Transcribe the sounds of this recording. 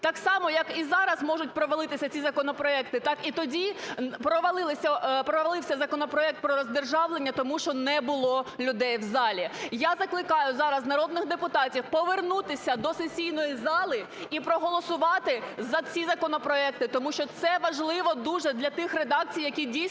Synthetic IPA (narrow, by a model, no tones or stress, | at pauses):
t̪ɑksɑmɔjɐkizɑɾɐzmɔʒʊt̚ʲpɾɔʋɐlˠɪt̪ɪsʲɐt͡sʲizɐkɔnɔpɾɔɛk̚t̪ɪt̪ɑkit̪ɔdʲipɾɔʋɐlˠɪlˠɪsʲɐpɾɔʋɐlˠɪwsʲɐzɐkɔnɔpɾɔɛk̚t̪̚pɾɔɾɔzʲd̪erʒɑʋlˠenʲːɐt̪ɔmuʃt͡ʃɔnɛbʊlˠɔlʲʊd̪ɛjwzɑlʲijazɐklˠɪkɑjʊzɑɾɐznɐɾɔd̪nɪxd̪epʊt̪ɑtʲiwpɔʋernut̪ɪsʲɐd̪ɔsesʲijnɔjizɑlˠɪ | ipɾɔɦɔlˠɔsʊʋɑt̪ɪzɐt͡sʲizɐkɔnɔpɾɔɛk̚t̪ɪt̪ɔmuʃt͡ʃɔt̪sɛʋɐʒlˠɪʋɔd̪uʒɛd̪lʲɐt̪ɪxred̪ɑk̚t͡sʲijːɐkʲidʲi